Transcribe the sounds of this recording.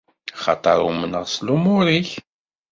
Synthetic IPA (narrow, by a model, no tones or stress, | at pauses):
χɑ̰t̪ˤɑɾˤumənəʁslumʊɾiç